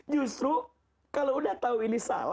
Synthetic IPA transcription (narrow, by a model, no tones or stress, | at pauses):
d͡ʒust̪ɾu | kaloudaht̪auinisa̰la